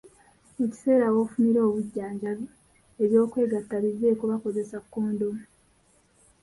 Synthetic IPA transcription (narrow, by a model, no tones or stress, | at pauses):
eci̥se̞ːɾawoːfumiɾo̞ːβuɟːaːɲɟaβ | eβjo̞ːkwe̞ːɡatːaβiβe̞ːkuβako̞ze̞sakːoːndom